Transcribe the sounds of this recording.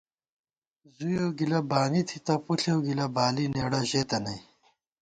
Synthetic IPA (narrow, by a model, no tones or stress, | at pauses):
zujowɡilɐbaːnit̪ʰit̪ɐpuɬewɡilɐbaːlineːɽɐʑeːt̪ɐnɐj